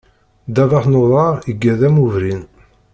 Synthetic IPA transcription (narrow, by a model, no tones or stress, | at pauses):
d̪ævaχnoðˤɑʁiɡːæðæmuvɾin